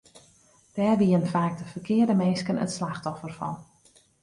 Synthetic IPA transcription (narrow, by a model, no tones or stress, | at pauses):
d̥ɛːrʋiənfaːk̚dəfərkʰɪədəmenskənə̰tslaxtɔfərfɔ̰n